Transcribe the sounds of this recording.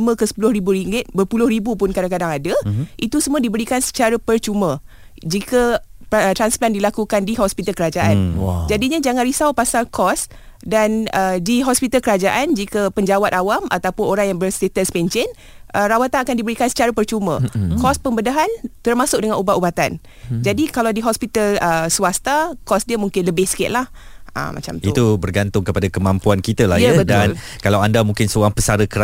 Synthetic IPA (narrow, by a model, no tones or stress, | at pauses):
mə̃kəsə̥pulʊhɾibuɾiŋɡɪt̪̚bərpulʊhribupʊnkadaŋkadaŋadaʔit̪usəmuadibəɾikansə̥t͡ʃaɾapərt͡ʃumə̃ | d͡ʒikapt̪ɾansplandilakukandiɦɔspit̪alkəɾad͡ʒaʔan̰d͡ʒadiɲad͡ʒaŋãnrisawpasalkɔs | danədiɦɔspit̪alkəɾad͡ʒaʔand͡ʒikəpəɲd͡ʒawat̪̚awama̰t̪awpʊnoɾaŋjaŋbərset̪əspeɲt͡ʃɪn | ʔərawat̪anakandibəɾikansə̥t͡ʃaɾapərt͡ʃumə̃kɔspəmbədaɦant̪ərmãsʊk̚dəŋanubaʔubat̪an | d͡ʒadikalawdiɦɔspit̪aləsuast̪akɔsdiəmuŋkɪnləbɪhsə̥kɪt̪̚lahʔə̰ma̰t͡ʃamt̪it̪ubərɡant̪ʊŋkəpadakəmãmpuankit̪əla̰jəbətd̪ankalawandamũŋkɪnsəoɾaŋpəsaɾəkəɾ